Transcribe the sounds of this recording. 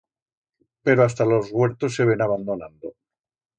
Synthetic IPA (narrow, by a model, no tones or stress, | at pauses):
pe̞ɾoast̪alo̞zɣweɾt̪osːe̞β̞e̞naβ̞and̪ona̰nd̪o